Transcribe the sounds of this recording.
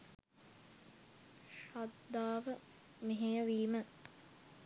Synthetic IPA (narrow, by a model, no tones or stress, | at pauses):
ʃad̪ːaːʋə | meɦejəʋiːmə